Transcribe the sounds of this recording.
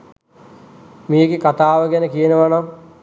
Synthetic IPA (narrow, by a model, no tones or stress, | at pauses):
miːɡekat̪aːʋəɡɛnəkijənəʋanam